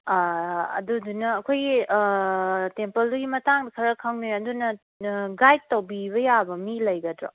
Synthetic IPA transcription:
ɐ̰dudunɐːkʰojɡi | tempɐlduɡimɐtaŋdɐkʰɐɾɐkʰːaŋniɐdunɐ | ɡajd̚tɐwbiβɐjabɐmilɐjɡɐdɾo̰

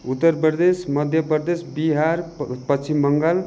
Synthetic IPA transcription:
ut̪ːʌɾpʌd̪esmʌd̪ʱjʌprd̪esbiɦaɾpʌst͡ʃʰimːʌŋɡʌl

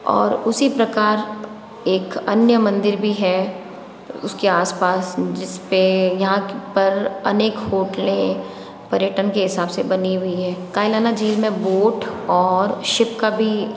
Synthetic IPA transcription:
ɔ̰ːɾʊsipɾɐkaːɾ | eːkɐnjəmɐ̃nd̪ɪɾbʱiɦɛ | ʊskeaːspaːsd͡ʒɪspejɐɦãpɐɾɐ̰neːkhoːʈlẽ | pɐɾjəʈənkeɦɪsaːbsebɐniɦʊiɦɛːkaːɪlaːnad͡ʒiːlmẽboːʈɔːɾʃɪpkabʱi

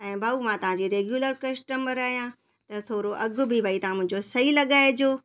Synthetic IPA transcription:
ɛ̃ːbʱaːumãt̪ɐʋ̤ãɲd͡ʑiːɾeːɡjuːləɾkɐsʈəməɾaːɦijã | t̪ɐt̪ʰoːɾoʔɐɡʊ̆bʱibʱaːit̪ɐʋ̤ãmʊ̃ɦɪ̃ɲd͡ʑosɐilɐɠaːed͡ʑoː

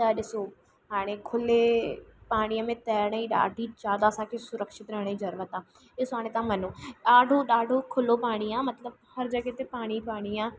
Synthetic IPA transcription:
d͡ʒaːɗɪsoː | ɦaːɽ̃eːkʰʊleːpaːɽ̃iːãːmẽːt̪ɛːɽaiːɗa̰ːɖʱiːt͡ʃaːd̪aːsaːkesʊɾəkʃɪt̪ɾɛːɽ̃iːd͡ʒəɾʋət̪aː | eːsʊaːɽ̃ẽːt̪ãːmənõːɗaːɖʱoːɗaːɖʱoːkʰʊloːpaːɽ̃iːãːmət̪ləbhəɾd͡ʒəɡeːt̪eːpaːɽ̃iːpaːɽ̃iːãː

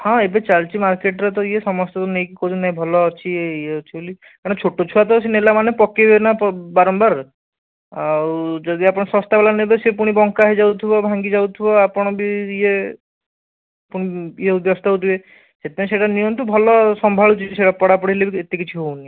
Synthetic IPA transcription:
hãebet͡ʃaɾt͡ʃimaɾkeʈɾet̪ɔiesɔmɔst̪ɔt̪ɔnejkikod̪ʱinaĩbʱɔlɔːt͡ʃʰieieɔt͡ʃʰiboli | kaɾɽ̃ɔ̃t͡ʃʰoʈot͡ʃʰuat̪ɔsenelamanepɔkebenapɔbaɾɔmbaɾ | awd͡ʒɔd̪iapɔɽ̃ɔsɔ̃st̪abalanebesepuɽ̃ibɔŋkaɦid͡ʒawt̪ʰibɔbʱaŋɡid͡ʒawt̪ʰibɔapɔɽ̃ɔbiie | puɽ̃iieud̪jɔst̪aɦowt̪ʰibe | set̪ʰiaj̃seʈanijɔmt̪ubʱɔlɔsɔmbʱaɭut͡ʃʰit͡ʃiseʈapɔɽapɔɽilebiet̪ekit͡ʃʰiɦowni

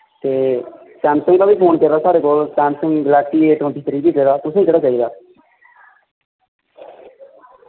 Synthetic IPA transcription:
t̪eː | sɛ̃ːmsəŋɡkaːbʱiːpʰoːnkəɾaːsaːɽeːkoːlsɛːmsəŋɡɡəlaːsiːeːʈ̪õːʈ̪iːt̪əɾiːbiːkəɾɾaːt̪ʊsːd͡ʒeːɽaːt͡ʃaːiːd̪aː

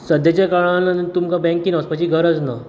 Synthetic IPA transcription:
səd̪ʱjat͡ɕakaɭanənnt̪umkabɛ̃ŋkinaspat͡ɕiɡʱəɾəd͡zna

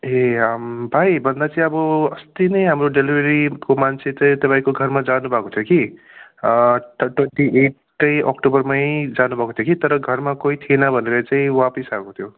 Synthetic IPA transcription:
eʌmbʱajbʱʌnd̪at͡saĩʌbʌʌst̪inʌjɦamroɖelibeɾikomant͡sʰet͡saĩt̪ʌpaĩkoɡʱʌrmad͡zanubʱʌkot̪ʰjoki | ʈweɳʈiʔeʈːʌjʔʌ̰kʈobʌrmajd͡zanubʱʌkot̪ʰokit̪ʌɾʌɡʱʌrmakoit̪ʰienʌbʱʌnelʌt͡sãĩwapʌsakot̪ʰjo

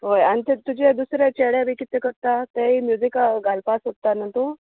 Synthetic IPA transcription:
ɦojañit̪et̪ud͡ʑed̪usɾet͡ɕeɽjaʋikit̪ekəɾt̪at̪eɦimjud͡zikaɡalpasɦot̪ːanət̪o

